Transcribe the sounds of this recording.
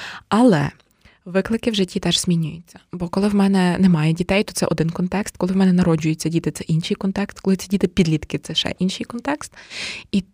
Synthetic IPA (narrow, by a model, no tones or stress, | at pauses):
ɐlˠɛ̰ | ʋɪklˠɪkɪwʒɪtʲːit̪ɛʒz̥ʲmʲinʲʊjʊt͡sʲːɐ̥bɔkɔlˠɪwmɛnɛnɛmɑjɛdʲit̪ɛjt̪ɔt̪sɛ̰ʔɔd̪ɪnkɔnt̪ɛkst̪̚kɔlˠɪwmɛnɛnɐɾɔd͡ʒʊjʊt͡sʲːɐdʲit̪ɪt̪sɛʔinʃijkɔnt̪ɛkst̪kɔlˠɪsʲidʲit̪ɪpʲid̪lʲit̪kɪt̪sɛʃɛ̰ʔinʃijkɔnt̪ɛkst̪i